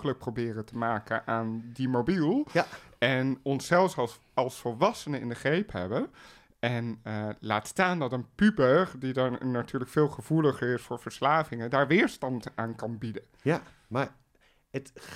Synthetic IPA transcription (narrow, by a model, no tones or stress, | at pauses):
ələk̚prowbɪːrətəmaːkənʔaːndimowbilˠɛnɔnsɛlˠfs | ɑlˠsfɔlˠʋɑsənəɪ̰ndəχrejpɦɛ̰bən | ɛnəla̰ːtstaːndɑtənpybəχdidanatyːɹləkfɪːlˠχəv̥uləχəɹɪsfʊːɹvəɹslaːvɪŋədaːɹʋɪːɹstɑntaːnkɑnbidə | ma | ət